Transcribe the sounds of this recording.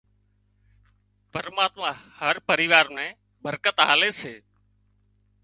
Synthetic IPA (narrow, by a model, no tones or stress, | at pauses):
pəɾmaːt̪mãːhəɾpəɾiːʋaːɾmɛ̃ː | bəɾkət̪ɦa̰ːleːseː